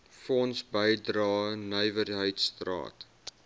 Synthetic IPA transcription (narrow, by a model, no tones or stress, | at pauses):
fɔnsbəjdrɑːnəjvərɦəjtstrɑ̰ːt